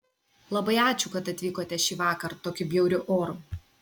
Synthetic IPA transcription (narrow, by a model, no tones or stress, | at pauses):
lˠɐbɐɪɑːt͡ʃʲʊkɐt̪ɐt̪ʲʋʲiːkoːt̪ʲɛʃʲiːʋɑːkɐɾt̪oːkʲʊbʲjɛʊɾʲʊʔoːɾʊ